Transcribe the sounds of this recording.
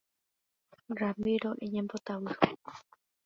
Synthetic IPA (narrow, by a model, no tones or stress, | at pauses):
ɾamiɾoʔiɲẽmbot̪awɯ